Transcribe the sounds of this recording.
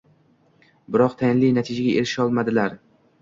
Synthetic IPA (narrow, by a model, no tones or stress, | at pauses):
bɪɾɒqt̪ʰajɪnlijnat̪ʰɪd͡ʒaɡʲaeɾɪʃɒlˠmad̪ɪlaɾ